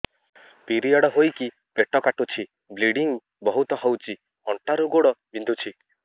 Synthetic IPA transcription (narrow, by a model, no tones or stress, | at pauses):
piɾiɔɽɔɦojki | peʈɔkaʈut͡ʃʰi | bliɽiŋ | bɔɦut̪ɔɦɔwt͡ʃʰi | ɔɳʈaɾuɡoɽɔbind̪ʱut͡ʃʰi